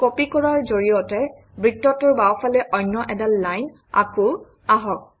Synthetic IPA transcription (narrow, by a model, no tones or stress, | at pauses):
kopikɔɹaɹzoɹijɔtɛ | bɹitːɔtʊɹbawfʰalɛʔɔjnːɔʔɛdalːajn | a̰kʊ | aɦɔk̚